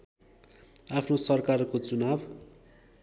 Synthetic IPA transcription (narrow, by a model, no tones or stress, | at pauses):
apʰnosʌrkarkot͡sunab